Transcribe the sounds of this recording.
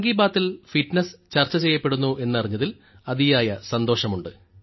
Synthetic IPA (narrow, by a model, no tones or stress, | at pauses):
ɐŋɡiːbaːt̪ːilfiʈnɐst͡ɕɐrt͡ɕːɐt͡ɕejːɐpːe̞ɽunːuʔe̞nːɐriɲːɐðil | ɐðijaːjɐsɐnd̪o̞ːʂɐmuɳɖɨ